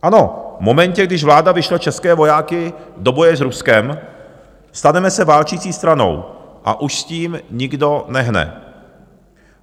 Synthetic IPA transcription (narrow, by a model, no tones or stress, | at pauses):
ʔano̞vmo̞mɛɲcɛɡdɪʒvlaːdavɪʃlat͡ʃɛskɛːvo̞jaːkɪdo̞bo̞jɛzɾuskɛm | st̪anɛmɛsɛvaːlt͡ʃiːt͡siːst̪ɾano̞̰wʔa̰ʔuʃsciːmɲɪɡdo̞nɛɦnɛ̰